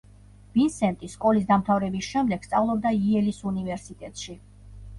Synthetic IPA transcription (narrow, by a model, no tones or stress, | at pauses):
b̥insɛnt̪ʼiskʼɔlisd̪amt̪ʰavɾɛbisʃɛmd̪ɛɡ̥st̪sʼavlˠɔb̚d̪aiɛlisunivɛɾsit̪ʼɛt̪ʼʃi